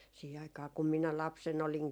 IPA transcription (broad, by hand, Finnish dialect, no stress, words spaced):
siːhe ɑikˑɑː kum minæ lɑpsen oliŋ